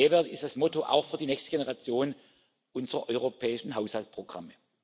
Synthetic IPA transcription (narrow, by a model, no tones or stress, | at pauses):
eːɐvɛɐtɪstd̥asmɔtoʔa̰ʊxfyːɐdiːnɛçstəɡ̥enəʁat͡sjoːn | ʔʊnzəʁɐʔɔʏʁopʰɛːɪʃn̩ɦaʊshaltpʁ̥oɡ̥ʁa̰mə